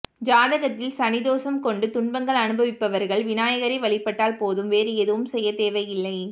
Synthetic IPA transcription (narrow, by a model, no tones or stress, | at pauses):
d͡ʒaːðɐɣɐt̪ːɪlsɐnɪðoːsɐmkɔɳɖɯt̪ʊɳbɐŋɡɐɭɐnɯbɐʋɪpːɐʋɐɾɣɐɭʋɪnaːjɐɣɐɾɐɪʋɐɭɪpːɐʈːaːlpoːðɯmʋeːɾɯɛðɯʋɯmsɛjːɐt̪eːʋɐɪjɪlːɐɪ